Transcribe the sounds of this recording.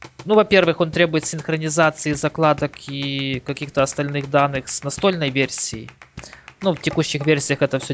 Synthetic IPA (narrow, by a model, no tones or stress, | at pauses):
nuvɐpʲe̞rvɨxo̞nt̪ɾʲebʊjɪt̪sʲɪnxɾənʲɪzat̪sɨizɐklˠad̪əkikɐkʲixt̪əɐst̪ɐlʲnɨɣd̪anːɨxsnɐst̪o̞lʲnəjvʲersʲɪjɪ̰ | nuftʲɪkuɕːɪxvʲersʲɪjəxɛt̪əfsʲo